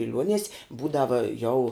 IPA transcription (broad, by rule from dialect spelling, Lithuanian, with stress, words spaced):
bʲɪˈlʲuɔnʲiɛsʲ ˈbuːdɐʋɐ jɛʊ